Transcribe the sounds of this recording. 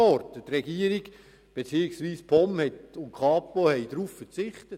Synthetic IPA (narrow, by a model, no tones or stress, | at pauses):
ɔɾtət̪rɛɡiːəɾiɡ̥ | b̥et͡siːɪksʋiːspʰɔmhɛtʊnkʰɑːpohɛɪd̥ɾuːffəɾt͡sɪχt̪ət